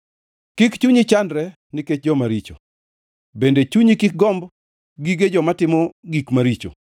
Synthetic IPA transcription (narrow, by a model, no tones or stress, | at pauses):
kikt͡ʃuɲit͡ʃandɾɛ | nɪket͡ʃ̚d͡ʒɔmaɾit͡ʃo | bendet͡ʃuɲikɪk̚ɡɔmb | ɡiɡed͡ʒɔmatɪmɔɡikmaɾit͡ʃo̰